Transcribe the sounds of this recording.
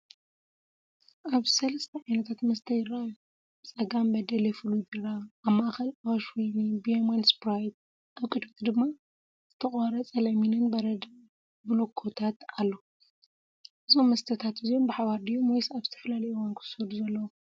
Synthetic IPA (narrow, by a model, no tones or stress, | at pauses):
ʔaβsɐlɐst̪ʰɐʕajnɐt̪ʰat̪mɐst̪ʰɐjɪrːaju | bt͡sʼɐɡambɐd̪ɐlefɨlujbiɾaːmːaʔaxɐlawaʃwonibiomanspɾajt̪̚ | ʔaβkʼɨd̪mt̪ʰd̪ɨmːa | z̥ɨt̪ʰɐχʼwaɾɐt͡sʼɐlɐminɨnbɐɾɐd̪ | blokʰːo̞t̪ʰat̪alːo̞ | ʔɨzo̞mːɐst̪ʰɐt̪ʰat̪ɨzijombɨħaβaɾd̪ijomojsaβzɨ̥t̪ʰɐ̥fɐlalɐjuwankʰɨ̥sɨd̪uzɐlːɐwo